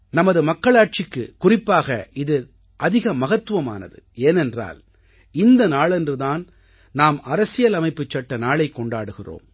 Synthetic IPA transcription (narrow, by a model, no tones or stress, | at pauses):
nɐmɐðɯmɐkːɐɭaːʈ̚t͡ʃɪkːɯ̰kʊrɪpːaːɣɐɪðɯ | ʔɐðɪɣɐmɐɣɐt̪ːɯʋɐma̰ːnɐ̰ðɯ̰eːnɛndra̰ːl | ɪnd̪ɐnaːɭɛndrɯðaːn | naːmɐɾɐsɪjɐlɐmɐɪpːɯt͡ʃːɐʈːɐnaːɭɐɪkːɔɳɖaːɽɯɣɪro̰ːm